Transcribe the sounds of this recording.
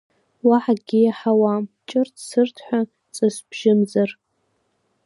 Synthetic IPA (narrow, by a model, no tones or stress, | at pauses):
waħaɡʲijaħawamt͡ʃʼɨrtʰsɨrtʰħʷᶣa | t͡sʼɨsb̥ʒɪmzar